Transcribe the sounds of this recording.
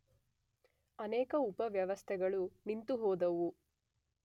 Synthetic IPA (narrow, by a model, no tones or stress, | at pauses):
ɐnɛːkɐupɐʋjɐʋɐst̪ʰɛɡɐɭunint̪uɦɔːd̪ɐʋu